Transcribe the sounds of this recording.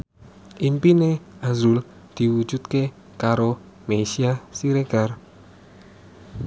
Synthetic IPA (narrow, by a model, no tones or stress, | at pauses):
ʔimpineazul | d̪̥i̤wud̥ʒ̥ṳt̪̚ke | kaɾo | mesiasiɾeɡ̥ar